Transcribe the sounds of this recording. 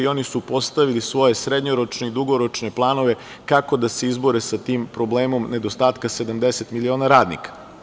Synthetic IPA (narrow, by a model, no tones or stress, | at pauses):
io̞nisupo̞st̪aʋilisʋo̞je̞sɾed̪ʲɲoɾot͡ʃneid̪uɡo̞ɾot͡ʃne̞plˠaːno̞ʋe̞ | kako̞d̪aseizbo̞ɾesat̪iːmpɾo̞bleːmo̞mned̪ost̪aːt̪kase̞d̪amd̪eset̪milio̞ːnaɾaːd̪nḭkḁ